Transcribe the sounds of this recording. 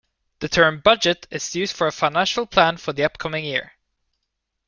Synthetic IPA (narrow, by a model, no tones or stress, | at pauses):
ðɨtʰɜ̃˞mbʌd͡ʒɨɾɪzjʉːzd̥fə˞əfãɪnæ̃nʃl̩ˠpʰl̥æ̃nfə˞ðiʌp̚kʰʌmɪ̃ŋjɪ̰ɹ